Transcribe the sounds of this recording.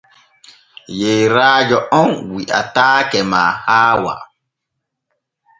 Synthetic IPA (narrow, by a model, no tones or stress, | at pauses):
jeɾaːd͡ʒɔʔɔnwiʔa̰taːkɛma̰ːhaːwa̰